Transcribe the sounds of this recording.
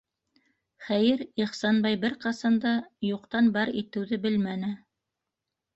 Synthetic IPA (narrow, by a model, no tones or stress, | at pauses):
χæjɘɾiχsɑnbɑjbɘɾqɑsɑnd̪ɑjuqt̪ɑnbɑɾit̪ɘ̆wðɘbɘlmænɘ